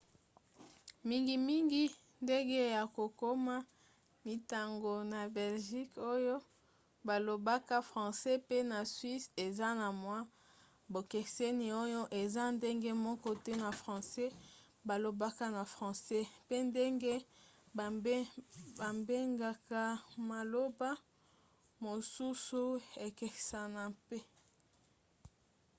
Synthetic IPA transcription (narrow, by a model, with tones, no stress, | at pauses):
mi˦ŋɡi˦mi˦ŋɡi˦ | nde˦ŋɡe˦ja˨ko˨ko˦ma˦ | mi˨ta˨ŋɡo˨na˨bɛ˨lʒi˦ko˦jo˦ | ba˨lo˨ba˦ka˦fʁɑ̃˨sɛ˦pe˦na˨swi˦se˨za˦na˨mwa˦ | bo˨ke˨se˦ni˨o˦jo˦ʔe˨za˦nde˦ŋɡe˦mɔ˦kɔ˦tɛ˦na˨fʁɑ̃˨sɛ˦ | ba˨lo˨ba˦ka˦na˨fʁɑ̃˨sɛ˦pe˦nde˦ŋɡe˦˨˦ | ba˨mbe˦ŋɡa˨ka˦ma˨lo˦ba˦ | mo˨su˦su˦e˨ke˨sa˨na˨pe˦